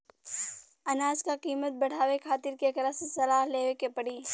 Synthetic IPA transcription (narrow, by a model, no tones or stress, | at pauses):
ɐnaːd͡ʒkakiːmət̪̚bɐɽ̤aːwekʰaːt̪ɪɾkekɐɾəsesɐlaːɦleːʋekepɐɽiː